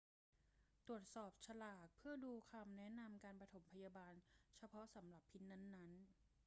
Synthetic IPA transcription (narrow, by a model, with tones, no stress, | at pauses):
t̪ɾu˨˩ət̪̚sɔː˨˩p̚t͡ɕʰa˧laː˨˩k̚pʰɯ˥˩ɐduː˧kʰa˧mnɛ˦˥na˧mkaː˧npɾa˧t̪ʰo˩˦mpʰa˧jaː˧baː˧nt͡ɕʰa˧pʰɔ˦˥sa˩˦mɾa˨˩pʰːi˦˥n̚na˦˥nːa˦˥n